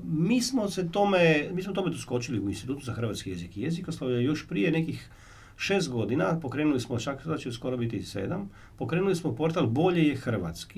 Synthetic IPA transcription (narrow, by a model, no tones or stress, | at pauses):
miːsmo̞set̪omemiːsmot̪o̞met̪usko̞t͡ʃiliuinst̪it̪uːt̪uzaxɾr̩ʋat̪skije̞zikijezikoslˠoʋjajo̞ʃpɾijenekix | ʃeːst̪̚ɡo̞d̪inapo̞kɾe̞ːnulismot͡ʃakd̪at͡ʃesko̞ɾobit̪isḛːd̪am | po̞kɾeːnulismopo̞ɾt̪albo̞ʎejexr̩ʋa̰t̪ski